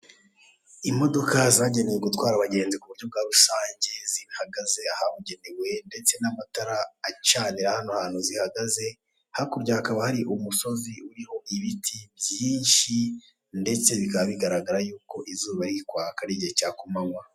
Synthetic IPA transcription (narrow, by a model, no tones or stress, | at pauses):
imo̞do̞kazaːɟe̞ne̞jeɡutwaːɾaβaɟe̞ːnzikuβuɾɟo̞b̚ɡaːɾusaːɲɟe̞zihaɡaze̞ahaβuɟe̞newe̞nde̞t͡se̞namataɾaːt͡ʃaːniɾahanohaːn̥uzihaɡaze̞ | hakuɾɟahakaβahaɾiʔumuso̞ziuɾiho̞ʔiβitʰiβjiːnʃi | nde̞t͡se̞βikaββiɡaɾaɡaɾajuːko̞ʔizuːβaɾikwaːkaɾiɟecaːkomamwa